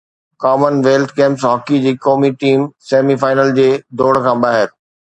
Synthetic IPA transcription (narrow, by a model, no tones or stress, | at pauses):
kaːmənʋeːlʈʰkẽːmpsɦɔːkid͡ʑiːkɔːmiʈiːmseːmifaːɪnəld͡ʑeːd̪ʱoːɽ̤kʰãːɓaːɦɪɾ